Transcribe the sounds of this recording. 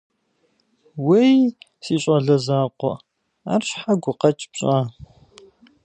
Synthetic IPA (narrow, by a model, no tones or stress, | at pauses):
wejsiːɕʼɐɮɐzaːqʷɔ̰ | a̰ːrɕħaɡʷʊqɐt͡ʃʼbɕʼaː